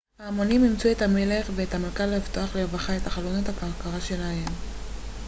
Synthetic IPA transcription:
haːmonimimt͡sue̞thamele̞χveːthamalkalaivto̞aχlevaχae̞thaχalonothakaʁkaʁaʃe̞lahe̞m

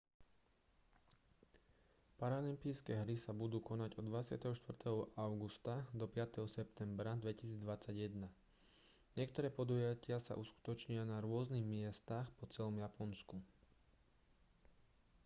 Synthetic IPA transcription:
paɾalimpiːskɛːɦɾisabud̪uːkɔnaɟɔd̪ʋat͡sɪa̰t̪ɛɦɔʃt̪ʋvr̩t̪ɛɦɔʔaʊɡust̪ad̪ɔpɪat̪ɛɦɔsɛpt̪ɛmbɾad̪ʋɛci̥siːd͡zd̪ʋat͡saɟjɛd̪na | ɲɪɛkt̪ɔɾɛːpɔd̪ujacɪasa̰ʔusku̥t̪ɔt͡ʃɲʊanaɾʊɔzniɣmɪɛst̪axpɔt͡sɛlɔmjapɔnsku

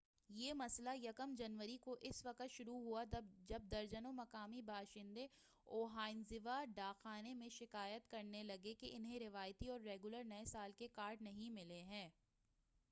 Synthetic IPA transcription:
jeːmɐslajɐkəmd͡ʒɐnʋəɾikoʔɪsʋɐqət̪ʃʊɾuɦuad͡ʒɐb̚d̪ɐɾd͡ʒənõmɐkaːmibʱaːʃɪ̃nd̪e | oːɦaːɪnzɪʋaɖaːxaːnemẽʃɪkaːjət̪kɐɾnelɐɡekeʔɪnɦẽɾɪʋaːjt̪iɔːɾːeːɡʊləɾnɐesaːlkekaːɾɖnɐɦĩmɪleɦɛ̃ː

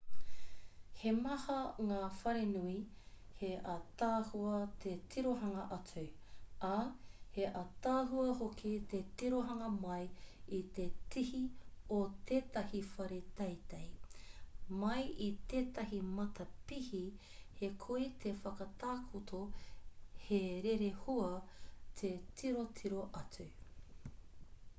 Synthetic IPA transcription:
hemɐhɐŋaːfɐɾenui | heʔɐt̪aːhuɐt̪ʰetʰiɾoɦɐŋɐʔɐtʰu | ɐheʔɐt̪aːɦuɐɦokʰit̪etiɾoɦɐŋɐmɐjit̪etʰihiot̪ʰeːt̪ɐhifɐɾet̪ɐjt̪ej | mɐjʔit̪eːt̪ɐɦimɐt̪ʰɐpihi | hekʰoit̪ʰefɐkɐt̪aːkʰut̪ʰo | heɾeɾehuɐtʰetʰiɾotʰiɾoʔɐtʰu

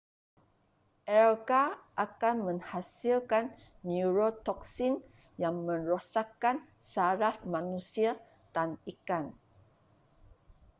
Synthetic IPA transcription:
ʔɛlkaʔakanmə̃ŋhasilkanː | uɾot̪ɔksin | jaŋmə̃nɾosakːan | saɾafmãnũsia | t̪anikan

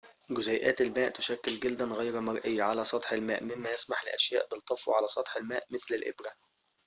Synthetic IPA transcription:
ɡʊzæːjʔæːt̪ɪlmæːʔt̪ʊʃækːɪlɡald̪ænɣæjɾmɑɾˤʔɪjːaʕalæːsˤɑt̪ˤħɪlmæːʔmɪmːæjɪsmaħlɪʔæʃjæ̰ːʔbɪlt̪ˤːɑfwʕalæsˤɑt̪ˤħɪlmæːʔmɪθlɪlʔɪ̰bɾæ

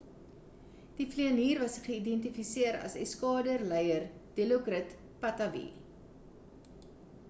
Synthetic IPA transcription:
d̥ifliəniːrvɐsχəidɛntifisiəɾɐ̰sɛskɑːdərlɛjərd̥eloɡrət | pɐtɐvḭ

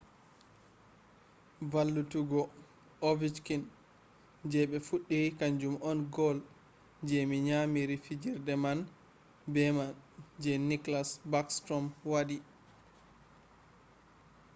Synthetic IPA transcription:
valːutuɡɔ | ovit͡ʃkin | d͡ʒɛɓɛfuɗːikaɲd͡ʒumʔɔnɡɔl | d͡ʒɛmiɲamiɾifid͡ʒiɾdɛman | bɛmand͡ʒɛniklasbakstɾɔmwadi

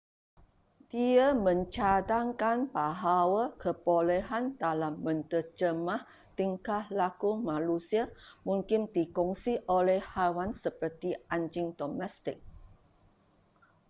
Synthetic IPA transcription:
d̥iamə̃ɲt͡ʃadaŋkanbaɦawakʰəpolɛɦandalamːə̃nt̪ərd͡ʒəmah | t̪iŋkahlakumãlusiamũŋkɪndikɔŋsiʔolɛhhawansəpərt̪iʔaɲd͡ʒɪŋdomɛst̪ɪk̚

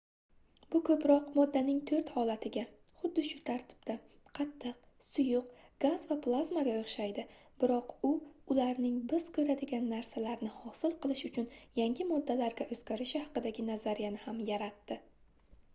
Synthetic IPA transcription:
bʊkʰɵpɾɒqmɒd̪ːanɪŋt̪ʰɵɾt̪hɒlat̪ʰɪɡʲa | χʊd̪ːɪʃʊt̪ʰaɾt̪ʰɪ̥b̥̚d̪a | qʰɑt̪ʰːɨq̚ | sʊjʊqɡ̥az̥vapʰlˠazmaɡʲaoχʃajd̪ɪbɪɾɒqʊʊlaɾnɪŋbɪz̥kʰɵɾad̪ɪɡʲanːaɾsalaɾnɪhɒsɪlˠqɨlˠɪʃʊt͡ʃʰʊnjaŋɡʲɪmɒd̪ːalaɾɡʲaʔɵzɡʲaɾɪʃɪhɑqɨd̪aɡʲɪnazaɾijanɪhamjaɾat̪ːɪ

